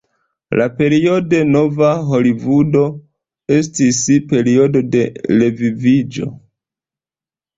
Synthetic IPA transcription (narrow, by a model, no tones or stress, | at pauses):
lape̞ɾio̞de̞no̞vaɦo̞livudo̞ | e̞s̬tispe̞ɾio̞do̞de̞le̞vivid͡ʒo̞̰